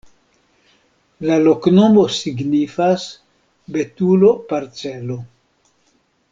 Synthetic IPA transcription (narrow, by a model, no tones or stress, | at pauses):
lalo̞kno̞mo̞siɡnifas | be̞tulo̞paɾt͡selo̞